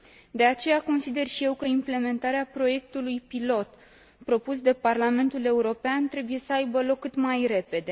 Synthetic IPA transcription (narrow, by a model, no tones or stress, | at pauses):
d̪e̞at͡ʃe̞jako̞nsid̪e̞rʃije̞wkəimple̞me̞nt̪aɾeapɾo̞je̞k̚t̪ulujpilo̞t̪ | pɾo̞pusd̪e̞parlame̞nt̪ule̞uɾo̞peant̪ɾe̞buje̞səajbəlo̞kːɨt̪majɾe̞pe̞d̪e̞